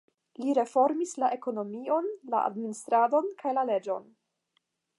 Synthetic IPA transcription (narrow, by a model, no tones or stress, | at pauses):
liɾe̞fo̞ɾmislaʔe̞ko̞no̞mio̞nla̰ʔa̰dministɾado̞nkʰajlale̞d͡ʒo̞̰n